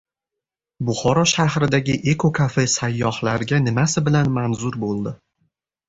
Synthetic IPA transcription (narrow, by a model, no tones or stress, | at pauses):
bʊχɒɾɒʃahɾɪd̪aɡʲɪʔe̞kʰokʰafɪsajːɒhlaɾɡʲanɪmasɪbɪlanmanzʊɾbolˠd̪ɪ